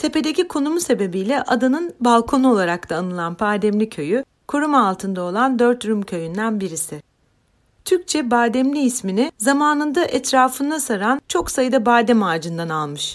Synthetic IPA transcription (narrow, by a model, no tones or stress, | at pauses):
t̪ʰe̞ped̪e̞cikʰo̞numuse̞be̞bijlʲɛʔad̪anɯnbalˠkʰo̞nuo̞lˠaɾak̚t̪ʰaːnɯlˠanpʰaɾd̪ɛmlʲicʰø̞jy | kʰuɾumalˠt̪ʰɯnd̪ao̞lˠand̪ø̞ɾt̪ɾumcʰø̞jynd̪ænbiɾisɪ | t̪ʰyɾc̚t͡ʃʰɛbaːd̪ɛmlʲiːsminɪzamaːnɯnd̪aʔɛt̪ɾaːfɯnd̪asaɾant͡ʃʰo̞ksajɯd̪abaːd̪ɛmaːd͡ʒɯnd̪analˠmɯʃ